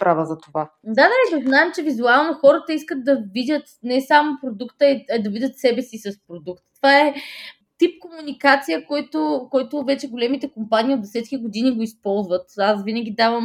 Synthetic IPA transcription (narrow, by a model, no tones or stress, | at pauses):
pɾavəzɐt̪ova | d̪ad̪ɐɾɛt͡ʃəznaɛmt͡ʃɛvizualˠnoxɔɾət̪əiskət̪̚d̪ɐvidʲət̪nɛsamopɾod̪ukt̪əɛɛd̪ɐvidʲət̪sɛbɛsisɐspɾod̪ukt̪t̪ːovaɛ | t̪ip̚komunikat̪sijəkɔjt̪okɔjt̪ʊvɛt͡ʃɛɡolɛmit̪ɛkompaniːod̪d̪ɛsɛt̪k̟ʲiɡod̪iniɡoispɔlˠzvət̪asvinəɡ̟ʲid̪avəm